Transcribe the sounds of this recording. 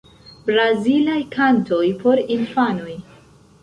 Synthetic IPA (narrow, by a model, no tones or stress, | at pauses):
bɾazilajkʰanto̞jpʰo̞ɾinfano̞j